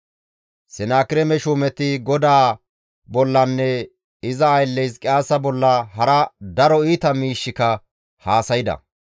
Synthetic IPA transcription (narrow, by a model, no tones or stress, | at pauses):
sɛnaːkɪɾɛmɛʃuːmɛt̪ːɪɡɔd̪aː | bɔlːɐnːɛ | ɪzɐːjlːɛjskʼɪaːsɐbɔlːɐɦɐɾɐd̪ɐɾɔiːt̪ɐmiːʃːɪkɐ | haːsɐjɪd̪ɐ̰